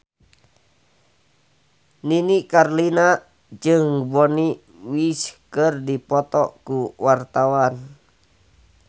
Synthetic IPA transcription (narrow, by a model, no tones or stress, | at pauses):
ninikarlina | d͡ʒɨŋbɔni | wiskərdipɔt̪ɔkuwart̪awan